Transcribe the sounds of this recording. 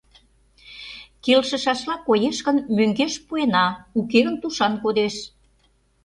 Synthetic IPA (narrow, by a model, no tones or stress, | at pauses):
kelʃə̆ʃɑʃlɑkojeʃkə̆nmøŋɡeʃpuenɑukeɣənt̪uʃɑnkod̪eʃ